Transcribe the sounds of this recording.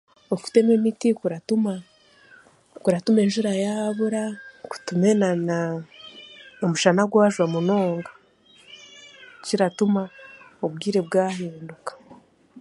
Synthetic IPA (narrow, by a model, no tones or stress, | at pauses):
oku̥te̞memitikuɾatuma | kuɾatume̞ːnʒuɾajaβuɾaku̥tume̞nana | omuʃanaɡwowaʒwamuno̞ːŋɡḁ | ciɾatumaobɡiːɾe̞bɡaːhiːndukḁ